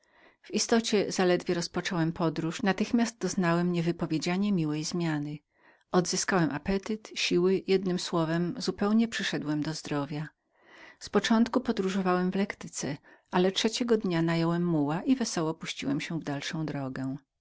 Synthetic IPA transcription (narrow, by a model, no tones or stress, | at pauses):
v̥ist̪ɔt͡ɕɛzalɛd̪vʲjɛɾɔspɔt͡ʂɔwɛmpʰɔd̪ɾuʂnat̪ɘxmʲast̪̚d̪ɔznawɛmɲɛvɘpɔvʲjed͡ʑaɲɛmʲiwɛjzmʲjanɘ | ɔd̪zɘskawɛmʔapɛt̪ɘt̪ɕiwɘjɛd̪̚nɘmswɔvɛmzupɛwɲɛpʂɘʂɛd̪wɛmd̪ɔzd̪ɾɔvʲja | spɔt͡ʂɔnt̪kupɔd̪ɾuʐɔvawɛmvlɛkt̪ɘt̪sɛʔalɛtʂɛt͡ɕɛɡɔd̪ɲanajɔwɛmːuwaʔivɛsɔwɔpuɕt͡ɕiwɛmɕɛvd̪alʂɔ̃w̃d̪ɾɔɡɛ